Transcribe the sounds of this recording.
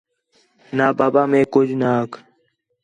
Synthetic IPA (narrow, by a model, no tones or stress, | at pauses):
naːbaːbaːmẽːkʊd͡ʒʱnaːk